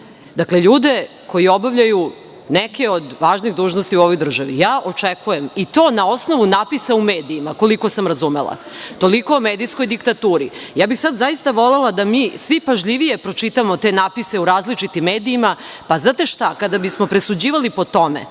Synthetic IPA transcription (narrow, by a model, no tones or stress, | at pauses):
d̪akleʎuːd̪e̞ | ko̞jio̞baʋʎaju | neke̞od̪ʋaːʒniɣd̪uːʒnost̪iuo̞ʋo̞jd̪r̩ʒaʋḭjaːʔo̞t͡ʂekuje̞mit̪o̞ːnao̞sno̞ʋunapisaumeːd̪iːmako̞liko̞samɾazumelˠa̰ | t̪o̞liko̞ːmeːd̪isko̞jd̪ikt̪at̪uːɾijaːbixsad̪zaist̪aʋo̞lelˠad̪amiːsʋipaʒʎʲiʋije̞pɾo̞t͡ʂit̪amot̪e̞napise̞uɾaːzlit͡ʂit̪imːeːd̪iːma | paznaːt̪e̞ʃt̪akad̪abismo̞pɾe̞sud͡ʑiːʋalipo̞t̪o̞mḛ